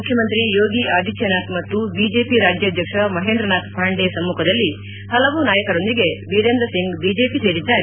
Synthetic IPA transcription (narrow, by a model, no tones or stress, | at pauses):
mukʰjɐmɐnt̪ɾijo̞ːɡiʔaːd̪ʱit͡ʃʰjɐnaːt̪mɐt̪ːubiːd͡ʒepiɾaːd͡ʒjɐːd̪ʱjɐkʂɐmɐɦeːnd̪ɾɐnaːt̪pʰaːɳɖesɐmːuːkʰɐd̪ɐlːi | hɐlɐʋunaːjɐkɐɾo̞nd̪iɡe̞biːɾend̪ɐsiŋɡbiːd͡ʒeːpise̞ːɾid̪ːaːɾe